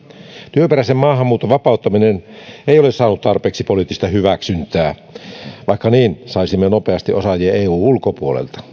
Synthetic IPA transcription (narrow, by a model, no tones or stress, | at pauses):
t̪yøpeɾæsemmɑːhɑmːuːt̪ːoʋʋɑpɑˑut̪ːɑmineneˑijolesɑːnut̪t̪ɑrpeːksipolit̪ːist̪ɑhyʋæksynt̪ˑæː | ʋɑˑikːɑniːnsɑisimːenopeɑst̪iʔosɑjieeːuːulkopuolḛlt̪ɑ̥